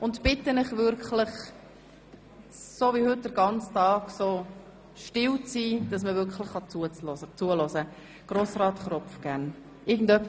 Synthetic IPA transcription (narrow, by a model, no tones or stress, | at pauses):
ʊntb̥ɪtːənɪχʋʏɾkχlɪχ | soːvihʏt̚d̥əɾɡɑnt͡stɑːɡ̥soː | ʃtɪlwt͡siːd̥ɑsməvʏɾkχlɪχːɑt͡suət͡slɔsət͡suəlɔsə | ɡ̥ɾosɾɑːt̪χɾɔpfɡ̥æʁn | ʔɪɡən̩dœpː